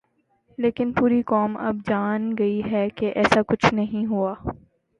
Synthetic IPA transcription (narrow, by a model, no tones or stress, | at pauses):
leːkɪnpuːɾikɔːmɐ̰b̚d͡ʒaːnɡɐiɦɛkeʔɛːsakʊt͡ʃʰnɐɦĩɦuaː